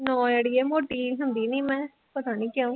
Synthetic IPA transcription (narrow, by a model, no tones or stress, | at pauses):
nɔ̃ːjeɽiːɛːmoːʈiːɦʊnd̪iːnĩːmɛ̃ː | pət̪aːnĩːkɪaːũː